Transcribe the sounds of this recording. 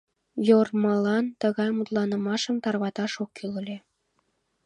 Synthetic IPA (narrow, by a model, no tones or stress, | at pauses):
jormɑlˠɑnt̪ɤ̆ɣɑjmut̪lˠɑnɤ̆mɑʃə̆mt̪ɑrβɑt̪ɑʃokːylɤ̆lʲe